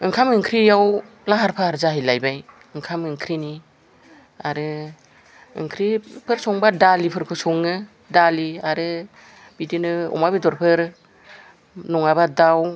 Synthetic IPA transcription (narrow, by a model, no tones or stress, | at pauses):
ɯŋkʰamɯŋkʰɾijaw | laɦaɾpʰahaɾzaɦajlajbaj | ɯŋkʰamɯŋkʰɾini | aɾɯ | ɯ̰ŋkʰɾipʰɯɾsɔŋbadalipʰɯɾkʰɯsɔŋɯ | daliaɾɯ | b̥idinɯɔ̰mabidɔɾpʰɯɾ | nɔŋabadaw